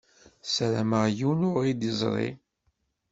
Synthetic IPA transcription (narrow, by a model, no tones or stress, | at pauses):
səɾæməʁjunʊʁid̪əzˤɾˤḭ